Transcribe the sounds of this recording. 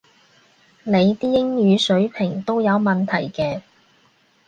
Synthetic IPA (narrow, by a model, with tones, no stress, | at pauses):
ne˨˧jt̪iː˥jɪ˥ŋjyː˨˧sɵ˨˥ɥpʰɪ˨˩ŋt̪o˥wjɐ˨˧wmɐ˨nt̪ʰɐ˨˩jkɛː˧